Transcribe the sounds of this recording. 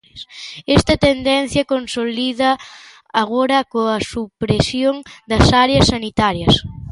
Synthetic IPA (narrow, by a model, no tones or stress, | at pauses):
sɛst̪ɐt̪end̪ɛnθjɐkonsoliðɐ | aɣoɾɐkoɐsupɾesjoŋd̪ɐsaɾeɐsːanit̪aɾjɐs